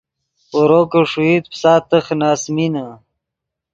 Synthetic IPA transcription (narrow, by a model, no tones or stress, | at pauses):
uɾoːkəʂuit̪̚psaːt̪əxnaːsmina